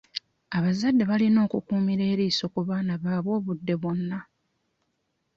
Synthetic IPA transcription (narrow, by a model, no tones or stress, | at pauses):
aβazadːe̞βalino̞ːkukuːmiɾe̞ːɾiːso̞kuβaːnaβaːβo̞ːβudːe̞βo̞nːa